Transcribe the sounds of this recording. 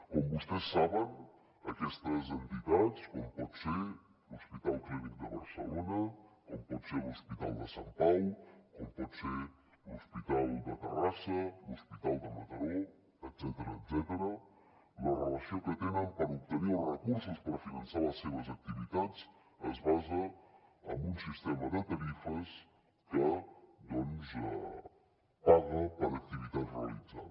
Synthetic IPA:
kɔmbust̪ɛsːaβən | əkɛst̪əzənt̪it̪at͡skɔmpɔt̪se | luspit̪alˠkɾeβik̪̚d̪əβə̰ɾsə̰lonəkɔmpɔt̪seluspit̪a̰lˠd̪əsamt̪ajkɔmpɔt̪se | luspit̪alˠd̪ət̪ərasəluspit̪alˠd̪əmət̪əɾo | et̪zɛt̪əɾəet̪zɛt̪əɾə | lɐrəlasiõkət̪enəmpaɾup̚t̪əɾiərəkuɾsuspəɾfinɐnsaɾəsːevəzak̚t̪ivit̪at̪t͡s | ə̰zbazəɐ̰munsist̪eməd̪ət̪aɾifəs | kəd̪olizə̰ | paðəpəɾɐk̚t̪ivit̪ad̪realiza̰l

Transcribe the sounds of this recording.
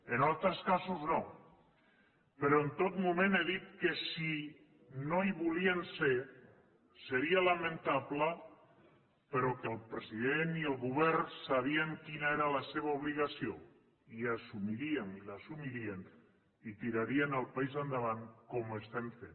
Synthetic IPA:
enalˠt̪ɾəskasuzno | peɾoent̪ot̪mumẽneðit̪kesi | noiβuliense | seɾialamẽnt̪aβlə | peɾokəlˠpɾesiðeniəlˠɣuβ̞ɛɾsaβ̞ieŋkinaeɾalaseβ̞auβ̞liɣ̞asio | iasumiɾienilasumiɾien | it̪iɾaɾienalˠpaizðand̪əβaŋkomest̪eɱfen

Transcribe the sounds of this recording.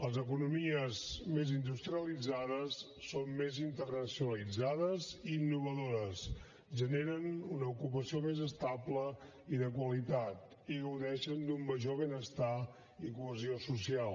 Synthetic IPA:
ləzəkunumiəzmezind̪ust̪ɾiəlid͡zaðəsː | onmezint̪ərnəsiunəlid͡zaðəziːnːuβ̞əðoɾəs | ʒəneɾənunəukupəsiomezəst̪ablə | iðəkwəlit̪at̪̚ | iɣəwðɛʃənd̪umːəʒoβenəst̪a | ikuəziosusialˠ

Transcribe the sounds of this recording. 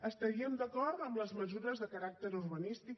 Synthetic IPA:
əst̪əɾiəmd̪əkɔrt̪əmləzməzuɾəzðəkəɾak̚t̪əɾurβənist̪ik

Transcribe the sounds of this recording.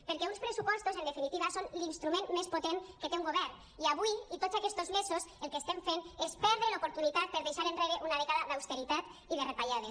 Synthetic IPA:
peɾkɛunspɾesupɔst̪ozend̪efinit̪iβasonlinst̪ɾumẽnmespot̪eŋket̪euŋɡoβɛɾn | iaβuiit̪osakɛst̪ozmezoselˠkeːst̪eɱfenespɛɾðɾelopoɾt̪unit̪at̪̚peɾðejʃaɾenreɾeʔunaðeɣaðaðawst̪eɾit̪at̪iðerepaʎaðe

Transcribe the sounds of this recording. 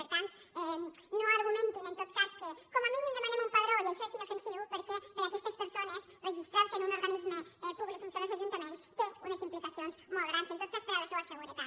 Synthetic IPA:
pəɾt̪ant̪ɛ | noaɾɣumẽnt̪inənt̪ot̪̚kaskəkoməminind̪əmanemumpaðɾoʎaʃasinəfənsiwpəɾkɛpəɾɐkɛst̪əspəɾsonəz | rəʒist̪ɾaɾsənunuɾɣanizməɛpuβlikunsonesɐʒunt̪əmenst̪eunəzimplikəsionsmolˠɣɾansent̪ot̪̚kaspəɾaləseβəsəɣuɾət̪at̪

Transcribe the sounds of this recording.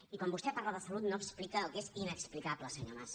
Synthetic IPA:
ikwambust̪ɛpaɾləðəsəlut̪noksplikəːlˠkezinəksplikabləsəɲo̰mas

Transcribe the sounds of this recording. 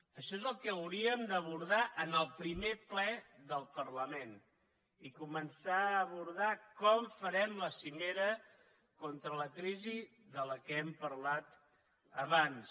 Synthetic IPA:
əʃɔezəlˠkɛəwɾiəmd̪əβuɾðaʔənəlˠpɾimeplɛðəlˠpərləmen | ikumənsaəːβuɾð̞akɔmfəɾɛmləsimeɾə | kɔnt̪ɾələkɾizi | ðələkɛmpəɾlat̪ | əβans

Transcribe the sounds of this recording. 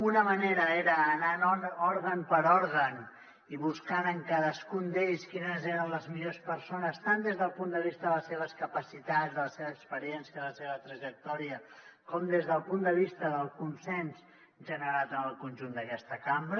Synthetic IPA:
unəməneɾəeɾəːnanɔnɔɾɣənpəɾɔɾɣən | iβuskanəŋkaðəskund̪eʎskinəzeɾənləzmiʎospəɾsonəst̪and̪ezðəlˠpund̪əβist̪əðələseβəskəpəsit̪azðələseβəːkspəɾiɛnsiəðələseβət̪ɾəʒək̚t̪ɔɾiəkɔmd̪ezðəlˠpund̪əβist̪əðəlˠkunsɛns | ʒənəɾat̪ənəlˠkunʲʒund̪əkɛst̪əkambɾ

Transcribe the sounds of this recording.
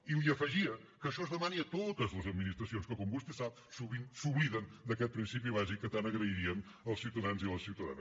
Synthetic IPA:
iliəfəʒiəkəʃɔzðəmaniət̪ot̪əzləzəd̪minist̪ɾəsionskəkɔmbust̪esap̚ | suβinsuβliðənd̪əkɛt̪̚pɾinsipiβazikːət̪anəɣɾəiɾiən | əlˠsiwt̪əðanziəlˠəsiwt̪əða̰nə

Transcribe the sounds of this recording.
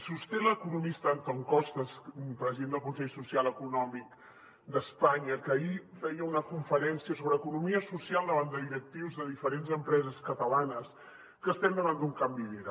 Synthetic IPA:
sust̪eləkunumist̪əːnt̪ɔŋkɔst̪əspɾəziðend̪əlˠkunsɛʎsusialˠəkunɔmik | d̪əspaɲəkəifɛjəunəkuɱfəɾɛnsiəsoβɾəːkunumiəsusialˠd̪əβand̪əðiɾək̚t̪iwzðəðifəɾenzəmpɾɛzəskət̪əlanəs | kəst̪ɛnd̪əβand̪uŋkambiðiɾə

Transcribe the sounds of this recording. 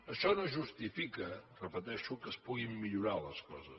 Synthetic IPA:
əʃɔnoʒust̪ifikərəpət̪ɛʃukəspuɣimːiʎuɾaləskɔ̰zə

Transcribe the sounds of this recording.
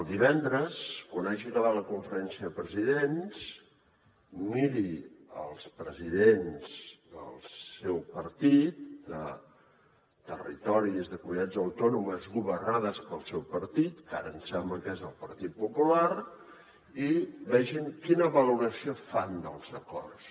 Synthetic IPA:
əlˠd̪iβɛnd̪ɾəskwanaʒikəβat̪ləkuɱfəɾɛnsiəðəpɾəziðens | miɾiə̰lˠspɾəziðenz̥də̰lˠsɛwpəɾt̪it̪̚d̪ə | t̪ərḭt̪ɔɾiəzðəkumit̪ad͡zəwt̪ɔnuməzɣuβərnaðəspəlˠsɛwpəɾt̪it̪ka̰ɾəːnsɛmləkezəlˠpəɾt̪it̪̚pupulaɾ | iβɛʒiŋkinəβəluɾəsiofand̪əlˠzəkɔ̰rs

